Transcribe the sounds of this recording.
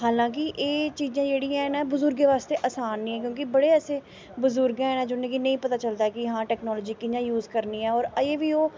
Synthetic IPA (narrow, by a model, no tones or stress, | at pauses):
ɦaːlãːk̬ɪʔeːt͡ʃiːzãːd͡ʒeːɽiːãːnãːbʊzʊɾɡeːʋaːst̪eːʔəsaːnːĩːɛːk̬jõːkɪbəɽeːɛːseː | bʊzʊɾɡɛ̃ːɦɛːnãːd͡ʒʊnẽːkiːnəĩːpət̪aːt͡ʃəld̪aːɛkɪɦãːʈɛːknɔːlɔːd͡ʒiːkid͡ʒãːjuːzkəɾniːɛ̃ːɔːɾəeːʋiːoː